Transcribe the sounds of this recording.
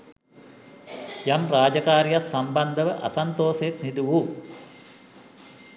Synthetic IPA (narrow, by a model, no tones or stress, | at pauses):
jamraːd͡ʒɐkaːɾijat̪sɐmbɐnd̪əʋəʔɐ̰sant̪oːset̪nid̪uʋu